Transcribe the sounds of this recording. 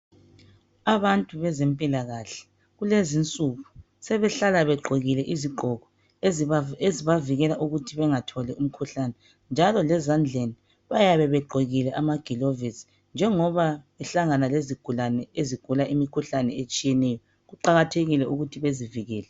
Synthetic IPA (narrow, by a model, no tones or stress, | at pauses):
aβantʼuβɛzempʼilaɣaɬɛ̥ | ɣulezint͡sʼuɣu | sɛβɛɬalaβɛɡ͡ǃʱoɣilɛʔiziɡ͡ǃʱɔɣɔ | eziβaviɣɛlaʔuɣutʰiβɛŋatʰɔlɛum̩kʰuɬanɛ | nd͡ʒʱalɔlɛzand͡ɮʱeni | βajaβɛβɛɡ͡ǃʱoɣilɛʔamaɡ̥ʱilovisi̥ | nd͡ʒʱɛŋɔβa | ɛɬaŋanaleziɡ̥ʱulanɛeziɡ̥ʱulaʔimikʰuɬanɛet͡ʃʼijɛnɛjɔ | ɣuǃaɣatʰeɣilɛʔuɣutʰiβeziviɣɛːlɛ